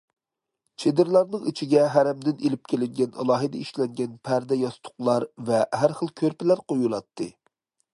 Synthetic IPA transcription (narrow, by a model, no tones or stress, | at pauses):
t͡ʃʰed̪ɪɾlˠɑɾnɨŋit͡ʃʰiɡʲɛɦæɾɛmd̪ɪnelɪp̚kʲʰelɪŋɡʲɛnɑ̰lˠɑːɦɨd̪ɑiʃlɛŋɡʲɛnpʰæɾd̪ɛjɑst̪ʰʊ̥χlˠɑɾvɛɦæɾχəlˠkʲʰøɾpɪlæɾqʰojulˠɑt̪ʰːɨ